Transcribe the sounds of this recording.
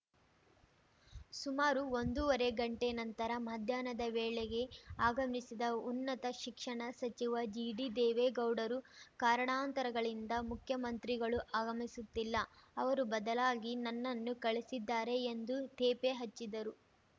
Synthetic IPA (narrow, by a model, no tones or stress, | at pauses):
sumaːɾuond̪uɔɾe̞ɡɐɳʈe̞nɐnt̪ɐɾɐmɐɐd̪ʱjaːnɐd̪ɐʋeːɭeɡe̞aːɡɐmisid̪ɐunːɐt̪ɐʃikʂɐɳɐsɐt͡ʃiʋɐd͡ʒiːɖid̪ɛːʋeɡɐwɖɐɾukaːɾɐɳaːnt̪ɐɾɐɡɐɭind̪ɐmukʰjɐmɐnt̪ɾiɡɐɭuʔaːɡɐmisut̪ːilːɐɐʋɐɾubɐd̪ɐlaːɡinɐnːɐnːukɐɭisid̪ːaːɾe̞ːnd̪ut̪eːpeɦɐt͡ʃːid̪ɐɾu